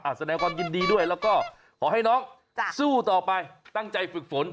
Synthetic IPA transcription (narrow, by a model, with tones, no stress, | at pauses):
ʔaː˨˩sa˧˩nɛ˧˦ka˧nki˧nɗi˧ɗu˧˩əjlɔ˨˧˦kɔ˧˩ | kɔ˨˦ha˧˨jnɔ˨˦˥ | su˧˩t̪ɔː˨˩paː˨˧˩jt̪a˧˩ŋt͡ɕa˨˩jfɨ˨˩k̚fo˨˦n